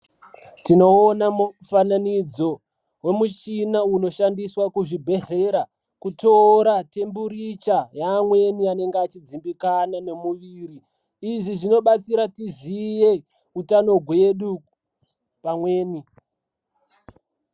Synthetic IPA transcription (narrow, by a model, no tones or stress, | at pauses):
tino̞ːnamufananid͡zo̞ | we̞mut͡ʃinauno̞ʃandiswakuʐibʱe̞ɦeɾa | kuto̞ɾate̞mbuɾit͡ʃajaːmwe̞niane̞ŋɡeat͡ʃid͡zimbikanane̞muʋiːɾiː | ʐiʐino̞ɓat͡siɾatizije̞ | utano̞ɡʱwe̞ɗu | pamwe̞ːni